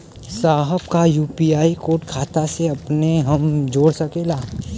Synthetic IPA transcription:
saːɦəbkajuːpiːaːikoːʈkʰaːt̪aseɐpneɦɐmd͡ʒoːɽsɐkeːlaː

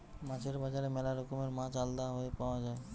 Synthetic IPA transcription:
mãt͡ɕʰeɾbad͡ʑaɾemɛlaɾokomeɾmãt͡ɕald̪aɦoepaoad͡ʑae

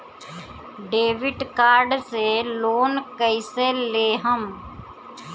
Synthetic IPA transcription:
ɖeːʋɪɖkaːɾɖseloːnkəɪseleːɦəm

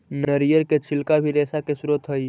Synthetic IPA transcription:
nəɾijəɾket͡ʃʰɪlkabʱiɾɛːsakesʊɾət̪ɦəi

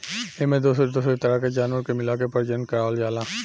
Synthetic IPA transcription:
emɛ̃d̪osɾid̪osɾit̪ɐɾaked͡ʒaːnʋəɾkemɪlakepəɾd͡ʒənkəɾald͡ʒaːlãː

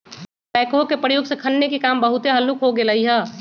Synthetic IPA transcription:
pɛːkɦokepɾəjoːɡsekʰənːekikaːmbəɦʊt̪eɦəlːukɦoɡeləɦiɦɛː

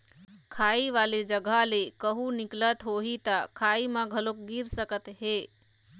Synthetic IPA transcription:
kʰaːiʋaːlid͡ʒəɡʱalekəɦunɪklət̪ɦoɦit̪akʰaːimãɡʱəlok̚ɡiɾsəkət̪ɦeː

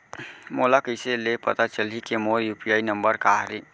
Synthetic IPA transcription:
molakəjselepət̪at͡ʃəlikemoɾjupiajnəmbəɾkaɦɾi

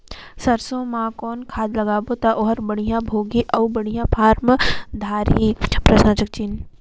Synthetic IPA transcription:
sɐɾsõmãkɔːnkʰaːd̪lɐɡaːbot̪aʔoːɦəɾbəɽ̃ijãbʱoːɡiʔɐubəɽ̤̃ijãpʰaːɾmd̪ʱaːɾipɾɐʃnãːt͡ʃək̚t͡ʃiːn

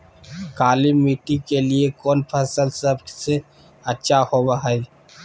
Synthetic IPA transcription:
kaːlimiːʈikeliekɔːnpʰɐsəlsəbse | ɐtːʃʰahobaɦai

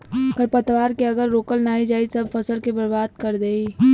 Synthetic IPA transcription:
kəɾpət̪ʋaːɾkeɐɡəɾːoːkəlnaːid͡ʒaːisɐb̚pʰɐsəlkebəɾbaːd̪̚kəɾd̪eːi

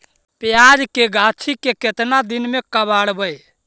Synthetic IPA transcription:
pjaːd͡ʒkeɡʱat͡ʃʰikeket̪nad̪ɪnmẽkəbaːɽbəe

